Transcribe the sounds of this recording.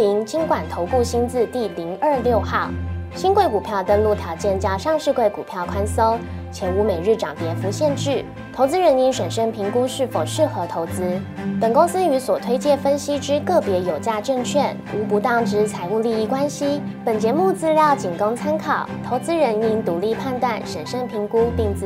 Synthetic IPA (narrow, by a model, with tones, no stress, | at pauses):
i˧˥ŋt͡ɕi˥ŋkwa˨˩nt̪ʰo˧˥ʊku˥˩ɕi˥nt͡sɹ̩˥˧t̪i˥˩li˧˥ŋə˞˥˧ljo˥˧ʊxɑ˥˩ʊɕi˥nkwe˥˩ɪku˨˩pʰjɑ˥˩ʊt̪ə˥nlu˥˩t̪ʰjɑ˧˥ʊt͡ɕjɛ˥˩nt͡ɕjɑ˥˧ʊʂɑ˥˧ŋʂɻ̩˥˧kwe˥˩ɪku˨˩pʰjɑ˥˩ʊkʰwa˥nsɤ˥ŋ | t͡ɕʰjɛ˧˥nu˧˥me˨˩ɪɻ̩˥˩ʈ͡ʂɑ˨˩ŋt̪jɛ˧˥fu˧˥ɕjɛ˥˧nʈ͡ʂɻ̩˥˩ | t̪ʰo˧˥ʊt͡sɹ̩˥ɻə˧˥ni˧˥nʂwə˨˩nʂə˥ŋpʰi˧˥ŋku˥ʂɻ̩˥˩fo˨˩ʊʂɻ̩˥˩xɤ˧˥t̪ʰo˧˥ʊt͡sɹ̩˥pə˨˩nkʊ˥ŋsɹ̩˥y˧˥swɔ˨˩t̪ʰwe˥ɪt͡ɕjɛ˥˩fə˥nɕi˥ʈ͡ʂɻ̩˥kɤ˥˩pjɛ˧˥jo˨˩ʊt͡ɕja˥˧ʈ͡ʂɤ˥˧ŋt͡ɕʰɥɛ˥˩nu˧˥pu˧˥t̪ɑ˥˩ŋʈ͡ʂɻ̩˥t͡sʰa˧˥ɪu˥˧li˥˧i˥˩kwa˥nɕi˥pə˨˩nt͡ɕjɛ˧˥mu˥˧t͡sɹ̩˥˧ljɑ˥˩ʊt͡ɕi˨˩nkɑ˥ŋt͡sʰa˥nkʰɑ˨˩˦ʊt̪ʰo˧˥ʊt͡sɹ̩˥ɻə˧˥ni˧˥nt̪u˧˥li˥˧pʰa˥˧nt̪wa˥˩nʂə˨˩nʂə˥˩ŋpʰi˧˥ŋku˥t̪i˥˧ŋt͡s̩˥˧